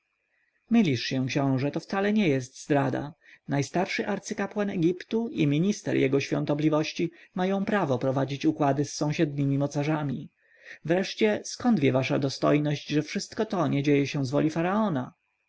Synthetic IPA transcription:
mɘlʲiʂɕɛ̃kɕɔ̃w̃ʐɛt̪ɔft̪salɛɲɛjɛst̪zd̪ɾad̪a̰najst̪aɾʂɘʔaɾt̪sɘkapwanɛɡʲipt̪uimʲiɲist̪ɛ̰ɾjɛɡɔɕfʲɔ̰̃nt̪ɔblʲivɔɕt͡ɕimajɔ̃w̃pɾavɔpɾɔvad͡ʑit͡ɕukwad̪ɘsːɔ̃w̃ɕɛd̪̚ɲimʲimɔt̪saʐamʲi | vɾɛʂt͡ɕɛskɔnd̪vʲjɛvaʂa̰d̪ɔst̪ɔ̰jnɔʑd͡ʑʐɛfʂɘst̪kɔt̪ɔɲɛd͡ʑejɛɕɛw̃zvɔ̰lʲifaɾaɔna

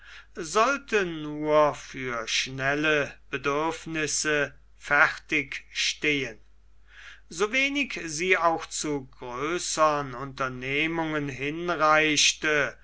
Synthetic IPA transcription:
zɔltənuːɐfyːɐʃnɛləb̥ədʏɐfnɪsə | fæχtɪkʃteːən | zoveːnɪkziːaʊxt͡suɡʁøːsəʁənʊntɐneːmʊŋənɦɪnʁaɪʃtə

